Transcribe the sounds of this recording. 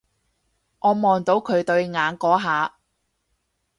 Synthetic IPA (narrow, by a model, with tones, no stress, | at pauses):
ʔɔː˨˧mɔː˨nt̪o˨˧wkʰɵ˨˧ɥt̪ɵ˧ɥŋaː˨˧nkɔː˨˥ɦaː˨˧